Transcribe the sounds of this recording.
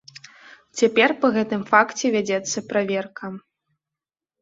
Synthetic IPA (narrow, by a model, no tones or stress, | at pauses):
t͡sʲapʲɛrpɐɣɛt̪ɨmfakt͡sʲɛvʲad͡zʲɛt̪sːɐpɾavʲɛrkɐ